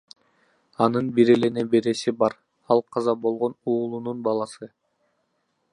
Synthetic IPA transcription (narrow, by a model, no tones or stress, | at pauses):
ɑnɯnbiɾele̞nebe̞ɾe̞sibɑɾ | ɑlˠqʰɑzɑbo̞lˠʁo̞nuːlˠununbɑlˠɑsɯ